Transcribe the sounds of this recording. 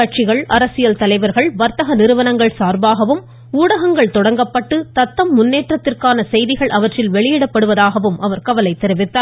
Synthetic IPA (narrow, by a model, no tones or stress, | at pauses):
ɐʈ̚t͡ʃɪɣɐɭɐɾɐsɪjɐlt̪ɐlɐɪʋɐɾɣɐɭʋɐɾt̪ɐɣɐnɪɾɯʋɐnɐŋɡɐɭsaːɾbaːɣɐʋɯm | uːɽɐɣɐŋɡɐɭt̪ɔɽɐŋɡɐpːɐʈːɯt̪ɐt̪ːɐmːʊnːeːʈrɐt̪ːɪrkaːnɐsɛjðɪɣɐɭʔɐʋɐʈrɪlʋɛɭɪjɪɽɐpːɐɽɯʋɐðaːɣɐʋɯmʔɐʋɐɾkɐʋɐlɐɪt̪ːɛɾɪʋɪt̪ːaː